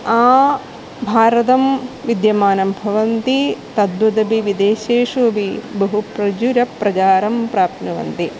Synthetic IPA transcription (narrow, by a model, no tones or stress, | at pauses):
aː | bʱaːɾɐt̪ɐmʋid̪jɐmaːnɐmbʱɐʋɐnt̪it̪ɐd̪̚bɐt̪ɐbiʋid̪eːʃeːʂuɐbibɐɦupɾɐd͡ʒuɾɐpɾɐt͡ʃaːɾɐmpɾaːp̚t̪ʰnɐʋɐ̰nt̪i